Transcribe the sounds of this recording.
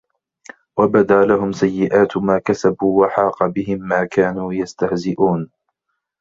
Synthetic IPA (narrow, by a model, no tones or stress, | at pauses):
wabad̪aːlaɦʊmsajːɪʔaːt̪maːkasabuːwaħɑːqɑbɪɦɪmːaːkaːnuːjast̪ahzɪʔuːn